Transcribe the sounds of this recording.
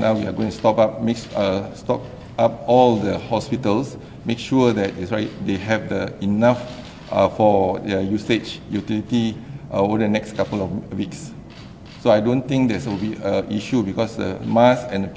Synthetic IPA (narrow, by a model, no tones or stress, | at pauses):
nawwia̰ɡõĩŋtustɔpap̚mekstɔp̚ | ap̚ɔldəhɔspitəls | mekʃuədɛt̚itsɹatdeɦɛvdəinaf | fɔdəjuset͡ʃjutilitiʔodənɛkskapəlɔwiks | soajdõnt̪ĩŋk̚dɛsubiəʔiʃubikɔsdə̰masɛ̃ndə